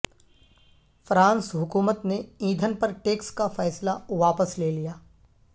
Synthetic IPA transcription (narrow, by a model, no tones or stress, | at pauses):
fɾãːnsɦʊkuːmət̪neĩːd̪ʱənpɐɾʈeːkskafɛːslaʋaːpəsleːlijaː